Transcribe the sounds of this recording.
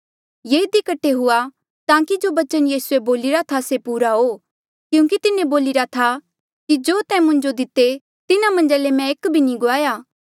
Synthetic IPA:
jeːɪd̪ikɐʈʰːeɦʊa | t̪ãːkid͡ʒoːbɐt͡ʃənjiːsueboːlɪɾat̪ʰasepuːɾaɦoː | kjũːk̬it̪ɪnẽboːlɪɾat̪ʰa | kid͡ʒoːt̪ɛ̃mʊ̃ɲd͡ʒod̪ɪt̪ːe | t̪ɪnamɐ̃nd͡ʒalemɛ̃ekbʱinĩɡʊaːjaː

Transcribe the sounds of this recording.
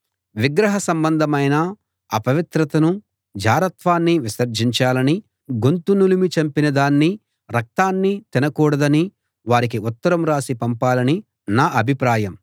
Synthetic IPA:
ʋiɡɾɐɦɐsɐmbɐnd̪ʱɐmɐjnɐː | pɐʋit̪ɾɐt̪ɐnu | d͡ʒaːɾɐt̪ʋaːnːiʋisɐɾd͡ʒiɲt͡ʃaːlɐni | ɡunt̪unulimit͡ʃɐmpinɐd̪aːnːi | ɾɐk̚t̪aːnːit̪inɐkuːɽɐd̪ɐni | ʋaːɾik̬iut̪ːɐɾɐmɾaːsipɐmpaːlɐni | naːʔɐbʱipɾaːjɐm

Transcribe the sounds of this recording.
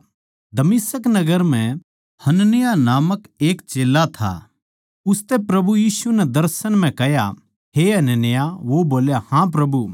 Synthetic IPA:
d̪ɐmɪsəknɐɡəɾm̤ɛ̃ | hɐnənɪjanaːməkeːkt͡ʃeːlːat̪ʰa̰ː | ʊst̪ɛpɾɐbujiːsunɛd̪ɐɾsənm̤ɛ̃kɛɦja̰ | ɦeɦɐnənɪjaʋoboːljahãp̬ɾɐbu

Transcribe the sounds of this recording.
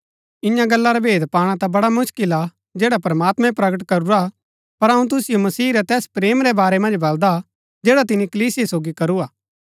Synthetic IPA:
ɪ̃jãɡɐlːaɾabʱeːd̪paːɽ̃ãt̪abɐɽamʊʃkɪla | d͡ʒɛːɽapɐɾmaːt̪mɛ̃pɾɐɡəʈ̬kɐɾuɾa | pɐɾɦɐũt̪̬ʊsɪjomɐsiːɾɛt̪ɛːspɾeːmɾɛbaːɾɛmɐ̃nd͡ʒbɐld̪a | d͡ʒɛːɽat̪ɪnikɐliːsiesoːɡikɐɾuaː

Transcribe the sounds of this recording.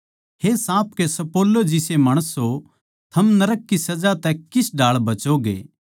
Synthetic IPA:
ɦesãːp̚kesɐpoːlːod͡ʒɪsemɐːɽ̃əsɦo | t̪ʰɐmnɐɾəkːisɐd͡ʒat̪ɛkɪsɖaːɭbɐt͡ʃoɡḛː

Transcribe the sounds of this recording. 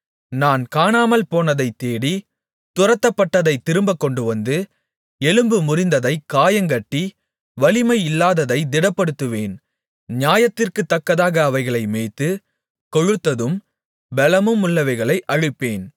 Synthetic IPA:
naːnkaːnaːmɐlpoːnɐðɐɪt̪ːeːɽi | t̪ʊrɐt̪ːɐpːɐʈːɐðɐɪt̪ːɪɾɯmbɐkːɔɳɖɯʋɐnd̪ɯ | ɛlɯmbɯmʊrɪnd̪ɐðɐɪkːaːjɐŋɡɐʈːi | ʋɐɭɪmɐɪɪlːaːðɐðɐɪd̪ɪɽɐpːɐɽɯt̪ːɯʋeːn | ɲjaːjɐt̪ːɪrkɯt̪ːɐkːɐðaːɣɐːʋɐɪɣɐɭɐɪmeːt̪ːɯ | kɔɻɯt̪ːɐðɯm | bɛlɐmɯmʊɭːɐʋɐɪɣɐɭɐɪʔɐɻɯpːeːn

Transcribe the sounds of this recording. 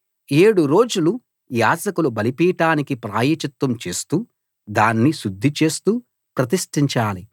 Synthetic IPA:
eːɽuɾo̞ːd͡ʒulu | jaːd͡ʒɐkulubɐlipiːʈaːnikipɾaːjɐt͡ʃɐt̪wɐmt͡ʃe̞ːst̪uː | d̪aːnːiʃud̪ʱːit͡ʃe̞ːst̪uː | pɾɐt̪̬iʂʈiɲt͡ʃaːli

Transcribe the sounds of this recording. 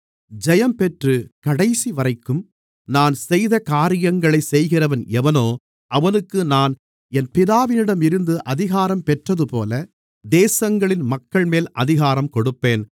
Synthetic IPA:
d͡ʒɛjɐmpɛʈrɯkɐɽɐɪsiʋɐɾɐɪkːɯm | naːnsɛjðɐkaːɾɪjɐŋɡɐɭɐɪsɛjɣɪrɐʋɐnɛʋɐnoː | ʔɐʋɐnɯkːɯnaːn | ɛnpɪðaːʋɪnɪɽɐmɪɾɯnd̪ɯʔɐðɪɣaːɾɐmpɛʈrɐðɯpoːlɐ | d̪eːsɐŋɡɐɭɪnmɐkːɐɭmeːlʔɐ̰ðɪɣaːɾɐmkɔɽɯpːeːn

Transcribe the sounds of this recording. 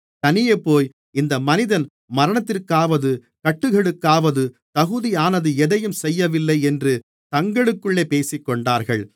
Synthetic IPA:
t̪ɐnɪjeːpːoːj | ɪnd̪ɐmɐnɪðɐn | mɐɾɐɳɐt̪ːɪɾkaːʋɐðɯ | kɐʈːɯɣɛɽɯkːaːʋɐðɯ | t̪ɐɣɯðijaːnɐðɯɛðɐjɯmsɛjːɐʋɪlːɐɪɛndrɯ | t̪ɐŋɡɐɽɯkːɯɭːeːpeːsɪkːɔɳɖaːɾɣɐɭ

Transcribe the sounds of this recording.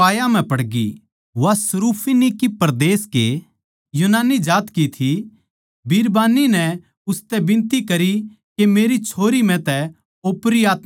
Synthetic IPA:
aːjam̤ɛ̃pɐɽɡḭ | ʋasɐɾuːpʰinikipɐɾd̪eːske | junaːnid͡ʒaːt̪kit̪ʰi | biːɾbaːninɛ | ʊst̪ɛbɪ̃nt̪ikɐɾi | kemeːɾit͡ʃʰoːɾim̤ɛ̃t̪ɛ | oːpɾiaːt̪̚

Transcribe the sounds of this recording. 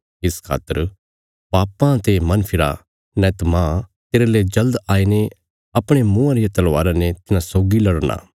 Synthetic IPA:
ɪskʰa̰ːt̪ːəɾ | paːpãt̪emɐ̃npʰɪɾa | nɛ̃t̪ɐmãːt̪eːɾaleːd͡ʒɐld̪aːine | ɐpɽ̃emʊ̃ãɾɪjat̪ɐlʋaːɾãnet̪ɪnãsoːɡilɐɽña̰ː

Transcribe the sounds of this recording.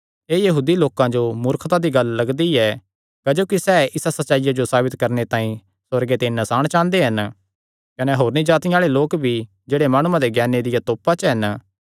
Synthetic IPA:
eːjɐɦuːd̪iloːkãd͡ʒomʊɾkʰt̪ad̪iɡɐlːɐɡd̪iɛ | kɐd͡ʒoːkisɛːɪsasɐtːʃaːɪjad͡ʒosaːbɪt̪kɐɾnet̪ãːĩ | sɐɾɡet̪enɐsaːɽ̃t͡ʃãːnd̪eɦɐn | kɐneɦoːɾnĩd͡ʒaːt̪ɪ̃aːɭeloːkbʱi | d͡ʒeːɽemaːɽ̃ʊãd̪eɡɛːned̪ɪjat̪oːpat͡ʃəɦɐn

